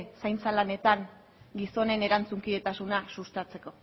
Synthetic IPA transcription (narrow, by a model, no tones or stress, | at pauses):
sajnt͡salane̞t̪aŋ | ɡiso̞ne̞ne̞ɾant͡suŋkiðe̞t̪asunasust̪at͡se̞ko̞